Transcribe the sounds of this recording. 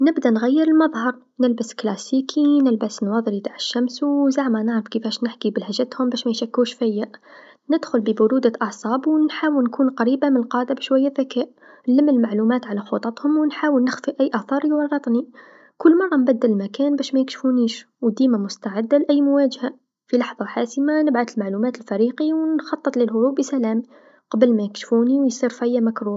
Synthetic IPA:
nɪbd̪anɣajːɪɾɪlmɑðˤhɑɾˤ | nɪlbɪsklaːsiːkʰinɪlbasnwɑːðˤlit̪aːʕɪʃːamswzaʕmanɪʕɾɪfkɪfæːʃnɪħkibɪlhaʒːat̪hʊmbaːʃmajʃakːuːʃfajːaʔ | nɪd̪xʊlbɪbʊɾuːd̪aʔɑʕsˤɑːbwnħaːwɪlnkʰuːnqɑɾiːbamɪnlqɑːd̪abɪʃwajːaðakaːʔ | nlɪmːəlmaʕlumæːt̪ʕalaxot̪ˤɑt̪ˤhʊmwnħaːwəlnɪxfiʔæjːʔɑθˤɑːɾˤjwɑrˤːɑt̪ˤni | kʊlːmɑrˤːɑmbæd̪ːallmakæːnbæːʃmæjɪkʃfuniːʃ | wd̪iːmamʊst̪aʕɪd̪ːalʔæjːmʊwaːʒha | filɑħðˤɑħaːsəmanɪbʕad̪əlmaʕlumaːt̪əlfæɾiːqiwnxɑt̪ˤːɨt̪ˤləlɦʊɾuːbəsælæːm | qɑbəlmæjɪkʃfuːniwjsˤiːɾfæjːamakɾuː

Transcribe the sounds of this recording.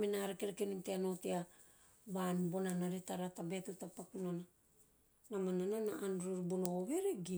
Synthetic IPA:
menaɾekeɾekeninteano̞tea | βanbo̞nanaɾetaɾatabeatutapakunana | namanananaʔanɾoɾibonooβeɾeɡi

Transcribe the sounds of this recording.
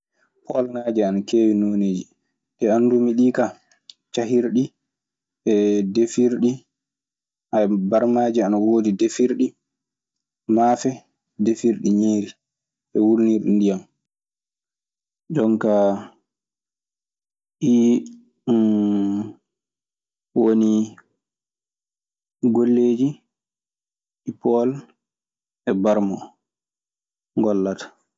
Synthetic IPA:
hɔlnad͡ʒianakeːwinoneːd͡ʒi | ɗɛandumiɗika | t͡ʃaɦiɾɗi | ɛdefiɾɗi | ʔabaɾmaːd͡ʒianawoːdidefiɾɗi | mafɛ | defiɾɗiɲiːɾi | ʔɛwulniɾɗindijam | d͡ʒɔŋka | ʔi | woni | ɡolːeːd͡ʒi | ʔipɔl | ʔɛbaɾmɔ | ŋɡɔlːatḁ

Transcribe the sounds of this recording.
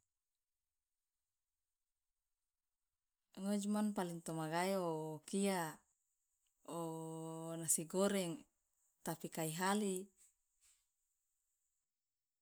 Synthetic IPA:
ŋod͡ʒmanpaliŋt̪omaɡajokia | o | nasiɡoɾɛŋ | t̪apikaiɦali

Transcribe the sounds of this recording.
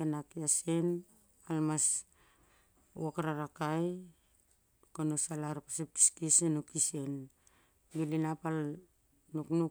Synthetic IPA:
enakiasen | almas | ṵakaɾaɾakaj | konosalaɾpasep̚ti̥skisenukise̞n | ɡilinapal | nuknu

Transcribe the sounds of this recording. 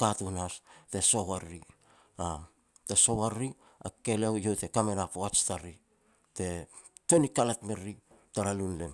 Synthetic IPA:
katunaste̞so̞waɾi | a | te̞so̞waɾːi | a̰ke̞lewjote̞kame̞napoat͡ʃtaɾi | te̞to̞nikalatmeɾːitaɾalunlen

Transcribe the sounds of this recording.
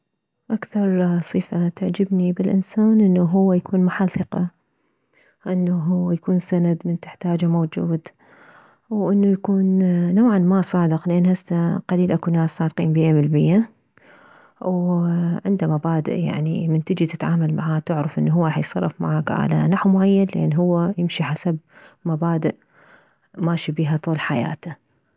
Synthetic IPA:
ʔakθɑɾˤsˤiːfat̪aʕd͡ʒɪbnibɪlʔɪnsaːnʔɪnːuɦʊwːajakʰuːnmʊħalθˤɨqɑ | ʔɪnːaɦʊwːajakuːnsanad̪mɪnt̪ɪħt̪aːd͡ʒamowd͡ʒuːd̪ | wʔɪnːujakuːnnawʕanmasˤɑːd̪ɪqlɪʔanhasːaqɑliːlʔakunaːsːaːd̪qiːnbɪjːamɪlbɪjːa | wʕɪnd̪amabaːd̪ɪ̰ʔja̰ʕnḭmɪnt̪ɪd͡ʒit̪ɪt̪ʕaːmalmaʕaːt̪ɪʕɾɪfʔɪnːuɦʊwːaɾˤɑːħjsˤɑ̰rˤːɑfma̰ʕaːkʕa̰la̰naħwmʊʕajːanlʔḛːnːɦʊwːajɪmʃiħasab̚mabaːd̪ɪʔ | maːʃibiːɦat̪ˤuːlħaja̰ːt̪a

